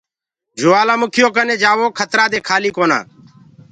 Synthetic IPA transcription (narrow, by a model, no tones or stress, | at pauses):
d͡ʒʊʋaːlãːmʊkʰɪjoːk̬əneːd͡ʒaːʋoːkʰət̪ɾaːd̪eːkʰaːliːkoːna̰ː